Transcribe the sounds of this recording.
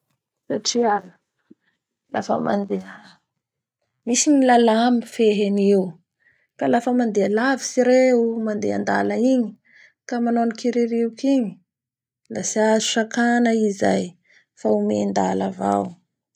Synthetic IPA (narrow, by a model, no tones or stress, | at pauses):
saʈ͡ʂian | la̰fə̰ma̰nd̪e | misiɲilalamifeɦeniw | kalafəmand̪ealavisiɾeumand̪ḛa̰nd̪aləiɲi | kamanonikiɾiɾiwkiɲi̥ | lasiazu̥ʃakanəiza̰j | faumḛnd̪alava̰w